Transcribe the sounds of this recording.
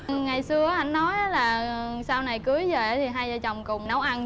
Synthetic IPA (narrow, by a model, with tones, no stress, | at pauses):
ŋa˨˩jsɨ˧ə˦ʔa˧˩jŋnɔ˨˦jʔaː˨˦laː˨˩saː˧wna˨˩jkɨ˨˦əjzəː˨˩ʔaː˨˦t̪ʰi˨˩ɦaː˧jzaː˧˩t͡ɕɔ˨˩wŋ͡mkʊ˨˩ŋ͡mnə˨˦wʔa˧n